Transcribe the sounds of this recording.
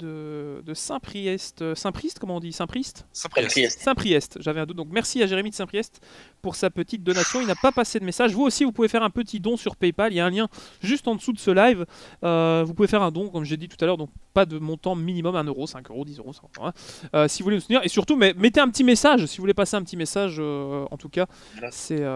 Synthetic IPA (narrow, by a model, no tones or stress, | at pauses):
d̪əd̪əsɛ̃pχiɛst̪sɛ̃pχist̪kɔmɑ̃ɔ̃d̪isɛ̃pχist̪ɛɛssɛ̃pχiɛst̪ʒavɛɛ̃d̪ut̪̚d̪ɔ̃kmɛʁsiaʒeʁemid̪sɛ̃pχijɛst̪puʁsapət̪it̪̚d̪ɔnasjɔ̃ilnapapased̪əmesaʒvuosivupuvefɛʁɛ̃pət̪id̪ɔ̃syʁpɛjpaljaɛ̃ljɛ̃ʒyst̪ɑ̃d̪əsud̪əsəlajvøvupuvefɛʁɛ̃d̪ɔ̃kɔmʒed̪it̪u̥t̪alœʁd̪ɔ̃k̚pad̪əmɔ̃t̪ɑ̃minimɔmɛ̃nøʁosɛ̃køʁod̪izøʁosɛ̃kt̪ɔ̰̃ɛ̃øsivulenut̪niʁesyʁt̪umɛmet̪eɛ̃pət̪imesaʒsivuvulepaseɛ̃pət̪imesaʒøɑ̰̃t̪uka | sɛø